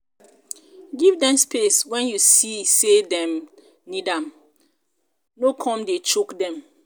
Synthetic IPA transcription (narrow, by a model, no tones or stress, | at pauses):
ɡivdɛ̃mspeswɛ̃njusisedɛ̃m | nidãm | nokʰɔ̃mdet͡ʃokdɛ̃m